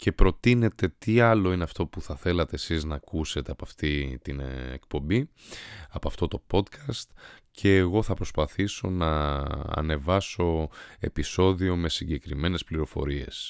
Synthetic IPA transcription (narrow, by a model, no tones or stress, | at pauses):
ce̞pɾo̞t̪ine̞t̪e̞t̪iɐlo̞ineɐft̪o̞puθɐθe̞lɐt̪e̞ːsiznɐːkuse̞t̪e̞ɐpɐft̪it̪inḛk̚po̞mbi | ɐpoɐft̪ot̪o̞po̞d̪kɐst̪cʰe̞ːɣo̞θɐpɾo̞spɐθiso̞̰nɐɐ̰ne̞vɐso̞e̞piso̞ðio̞me̞siɲɟe̞kɾime̞ne̞spliɾo̞fo̞̰ɾie̞̰s